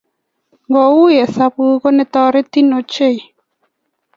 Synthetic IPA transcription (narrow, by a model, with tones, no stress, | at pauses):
ŋɡɔ˨wu˦jɛ˨sa˨pu˦ko˦nɪ˦t̪ɔ˦ɾe˦t̪i˦no˨t͡ʃe˦˨i˨